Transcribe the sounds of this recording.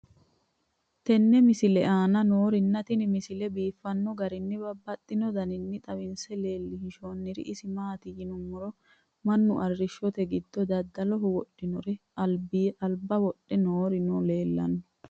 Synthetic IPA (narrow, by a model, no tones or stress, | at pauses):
t̪ɛnːɛmɪsɪlɛʔaːnɐno̞ːɾɪnːɐt̪ɪnɪmɪsɪlɛbiːfːɐnːɔɡɐɾɪnːɪbɐbːɐt̪ʼːɪnɔd̪ɐnɪnːɪt̪ʼɐwɪnsɛle̞ːlːɪhɪʃoːnːɪɾɪ̰ʔɪsɪmaːt̪ɪjɪnʊmːʊɾɔ | mɐnːʊʔɐrːɪʃːɔt̪ɛɡɪd̪ːɔd̪ɐd̪ːɐlɔɦʊwɔɗːɪnɔɾɛɐlbiʔɐlbɐwɔɗːɛnoːɾɪnɔle̞ːlːɐ̰nːɔ̥